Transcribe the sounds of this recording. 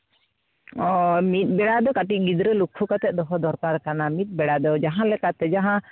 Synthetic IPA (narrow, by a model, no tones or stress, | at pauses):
ɔmit̪̚ˀbɛɽad̪ɔkaʈiʔ̚ˀɡid̪ɾɛlukʰːukat̪ɛʔ̚d̪ɔɦɔd̪ɔɾkaɾkanamit̪̚ˀbɛɽad̪ɔd͡ʒaɦãlɛkat̪ɛd͡ʒaɦã